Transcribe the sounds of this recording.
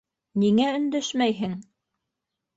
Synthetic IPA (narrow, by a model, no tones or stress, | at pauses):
niŋæɵ̆nd̪ɘʃmæjɦɘŋ